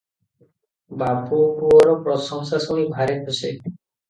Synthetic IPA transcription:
babʱubuɔɾɔpɾɔsɔŋsasɔnibʱaɾet̪ʰose

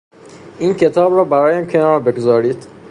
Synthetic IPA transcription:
iːncʰe̞t̪ʰɒːbɾɒːbæɾɒːjæmcʰe̞nɒːɾbe̞ɡozɒːɾiːd̪̥

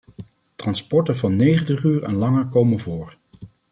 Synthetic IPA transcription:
trɑnspɔɹtənvɑnːejχəntəχyːɹɛ̰nlɑŋəɹkowmənvʊːɹ

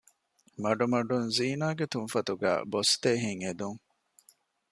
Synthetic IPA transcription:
mɐɖumɐɖunziːnaːɡet̪unfɐt̪uɡæ̰ːbost̪eːɦiŋed̪uŋ

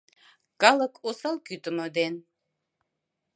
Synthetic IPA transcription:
kɑlˠəkʰosɑlˠkyt̪əməd̪en

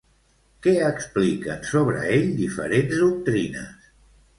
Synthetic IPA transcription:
kɛəksplikənsoβɾə̰eʎd̪ifə̰ɾenzðuk̚t̪ɾinə̰s

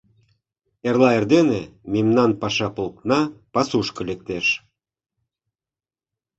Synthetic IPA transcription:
erlˠɑerd̪enemʲimnɑnpɑʃɑpolˠt̪nɑpɑsuʃkɤ̆lek̚t̪eʃ

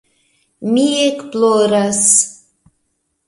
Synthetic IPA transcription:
miekploɾɑs

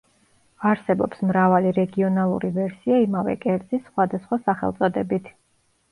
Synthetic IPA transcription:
aɾsɛbɔ̰psmɾavaliɾɛɡiɔnalˠṵɾivɛɾsiaimavɛ̰kʼɛɾt̪zʼisːχwad̪asχwasaχɛ̰lˠt̪sʼɔd̪ɛbit̪ʰ

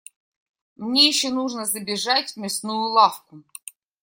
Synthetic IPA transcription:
mnʲejɪɕːonuʐnəzəbʲɪʐatʲmʲɪsnujʊlˠafkʊ

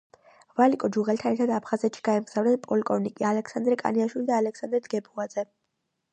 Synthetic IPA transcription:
valikʼɔd͡ʒuʁɛlt̪ʰanɛɾt̪ʰad̪apʰχazɛt̪ʃi̥ɡaɛmɡz̥avɾnɛnpʼɔlikʼɔvnikʼialɛksand̪ɾɛkʼa̰niaʃwilid̪aːlɛksand̪ɾɛd̪ɡɛbuad̪z̥ɛ

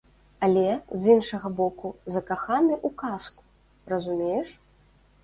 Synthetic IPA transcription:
ɐlʲɛzʲinʂɐɣɐbɔkuzɐkaxanɨʔukasku̥ | rɐzumʲejɛʂ

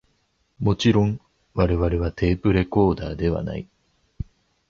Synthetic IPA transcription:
mo̞t͡ɕiɾõ̞ŋ | βaɾe̞βaɾe̞β̞at̪e̞ːpɯ̟ɾe̞ko̞ːd̪aːd̪e̞βa̰na̰i

